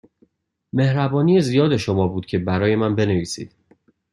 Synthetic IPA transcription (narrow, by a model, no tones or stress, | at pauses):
me̞hɾæbɒːnijezijɒːd̪e̞ʃo̞mɒːbuːd̪̥̚cʲʰe̞bæɾɒːje̞mænbe̞ne̞viːsḭːd̪̥